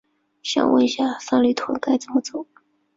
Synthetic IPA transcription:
ɕjɑ̰˥ŋwə̰˥˩n˧˩ɕja˥˩sa˥nly˥˩t̪ʰwo˨˥d̪ə˧ka˥˩ɪt͡sə˨˩mə˦t͡so˨˩˦ʊ

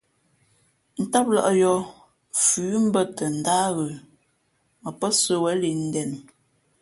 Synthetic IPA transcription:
n̩˦ta˦p̚lə̰˦˨ʔjɔ˦ | fʉː˨˦m̩˦bə˦tə˨n̩˨daː˦ɣə˨ | mə˨pə˦sə˦wɛ˨˦li˨n̩˦dɛ˨n

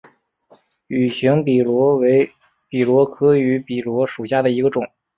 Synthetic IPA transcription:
y˨˩ɕi˧˥ŋpi˨˩lwɔ˧˥we˧˥ɪ | pi˨˩lwɔ˧˥kʰɤ˥y˧˥pi˨˩lwɔ˧˥ʂu˨˩ɕja˥˩d̪ə˩i˧˥ɡə˧ʈ͡ʂʊ˨˩˦ŋ

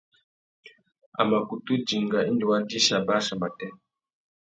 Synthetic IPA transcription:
a̰˨ma˨ku˨tu˦d͡ʒi˨ŋɡa˨ʔi˦ndi˨wa˦ndi˦ʃa˨ba˦ʃa˨ma˨tɛ˦

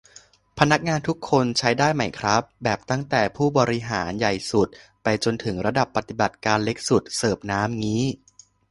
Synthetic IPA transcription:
pʰa˧na˦˥k̚ŋaː˧nt̪ʰu˦˥kʰːo˧nt͡ɕʰa˦˥jdaː˥˩jma˧˩jkʰɾa˦˥p̚bɛː˨˩p̚t̪a˥˩ŋt̪ɛː˨˩pʰuː˥˩bɔː˧ɾi˦˥ɦaː˩˦nja˨˩jsu˨˩t̪̚ | pa˧jt͡ɕo˧nt̪ʰɯ˩˦ŋɾa˧da˨˩pːa˨˩t̪i˨˩ba˨˩t̪̚kaː˧nle˦˥k̚su˨˩t̪̚sɤː˨˩p̚naː˦˥mŋiː˦˥

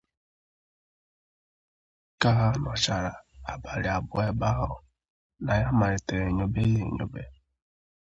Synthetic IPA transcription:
ka˦ɦa˦nɔ˨t͡ʃa˨ɾa˨a˨ba˨ɾɪ˨a˨bʊ˨e˦ba˦ɦʊ˦ | na˨ja˦ma˨ɾe˨te˨ɾe˨ɲo˦be˦i˦ḛ˨ɲo̰˦be˦

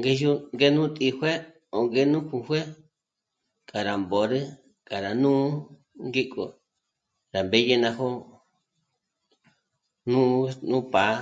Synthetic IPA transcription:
ŋɡe˦ju˦ŋɡe˦nũ˦t̪ʼi˧hʷe˦ | o˨ŋɡe˦nũ˦kũ˧hwe˦ | kʼa˨ɾa˨mbo˨ɾɨ˦ | kʼa˨ɾa˨nũ˦ | ŋɡi˦kʼo̰˨ | ɾa˨mbe˦je˦nã˧ɦo˦ | nũ˦nũ˦pa˨˦

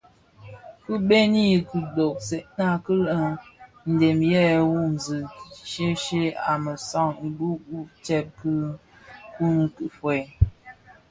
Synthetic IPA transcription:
ku˦ɓe˦ni˦ku˨do˨k̚se˨ʔna˦˨kə˦lə˨ | n̩˨de˨mjɛ˦˨wu˦˨n˨zɨ˨ʃe˦ʃe˦a̰˨mə˨sɔ˦˨ŋ̩˨du˦u˦t͡ʃɛ˦p̚kɨ˦ | ku˦ŋ˨kɨ˨ʔfwe˨

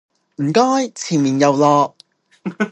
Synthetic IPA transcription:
m̩˨˩kɔː˥jt͡sʰiː˨˩nmiː˨˩njɐ˨˧wlɔː˧k̚

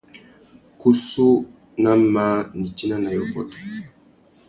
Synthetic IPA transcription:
ku˦su˦ | na˦ma˦ni˨ti˦na˦na˨jɔ˨bɔ̰˨t

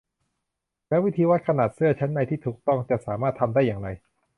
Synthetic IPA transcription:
mɛː˦˥wi˦˥t̪ʰiː˧wa˦˥t̪̚kʰa˧naː˨˩t̪̚sɯ˥˩ɐt͡ɕʰa˦˥nːa˧jt̪ʰiː˥˩t̪ʰuː˨˩k̚t̪ɔ˥˩ŋt͡ɕa˨˩ʔsaː˩˦maː˥˩t̪ʰːa˧mdaː˥˩jaː˨˩ŋɾa˧j

